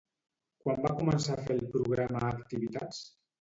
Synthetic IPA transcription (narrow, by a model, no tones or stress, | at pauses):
kwambakumənsafelˠpɾuɣ̞ɾaməːkt̪iβit̪at͡s